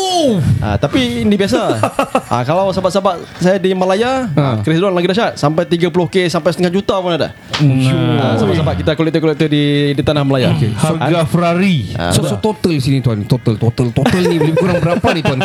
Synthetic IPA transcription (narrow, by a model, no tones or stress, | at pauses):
a̰t̪apindibias̬aʔa̰kalawsabaʔsabaʔsajadiməlajaəkɾisduanlaɡidaʃaʔsampajt̪iɡapulohkesampajsət̪əŋad͡ʒut̪apunada̰ | usabaʔsabaʔkit̪akolɛk̚t̪əkolɛk̚t̪ədidit̪anahməlaja̰kḛsəɡafɾaɾia̰sosot̪ot̪əldisinit̪uant̪ot̪əlt̪ot̪əlt̪ot̪əlnibəlimkuɾaŋbəɾapanit̪uan